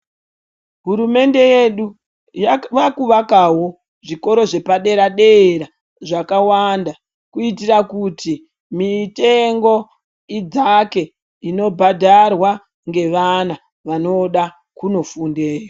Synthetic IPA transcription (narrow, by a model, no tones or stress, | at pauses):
ɦuɾume̞nde̞je̞ɗu | jʋakuʋakawo̞ | ʐiko̞ɾo̞ʐe̞paɗe̞ɾaɗe̞ɾa | ʐakawanda | kuitirakuti | mite̞ŋɡo̞ | id͡zake̞ | ino̞bʱadʱarwa | ŋɡe̞ʋana | ʋano̞ɗa | kuno̞funde̞ːra